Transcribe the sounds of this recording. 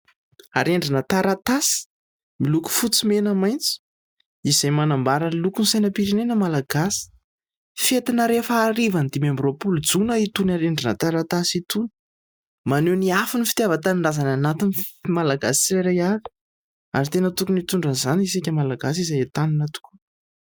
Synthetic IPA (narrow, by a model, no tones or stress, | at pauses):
aɾeɳɖ͡ʐinət̪aɾat̪asi̥ | miluku̥fut͡simenəmajnt͡si̥ | izajmanambaɾəlukunsajnəpiɾinenəmalaɡasi̥ | fet̪inəɾefaːɾivand̪imembropuld͡zunəit̪unaɾeɳɖ͡ʐinət̪aɾat̪asit̪un | maneniafinifi̥t̪javat̪aniɳɖ͡ʐazananat̪inimalaɡasi̥t͡siɾeɾajaɾi̥ | a̰ɾit̪enət̪ukunit̪uɳɖ͡ʐənzanisikʲəmalaɡas̬izajet̪aninət̪u̥ku̥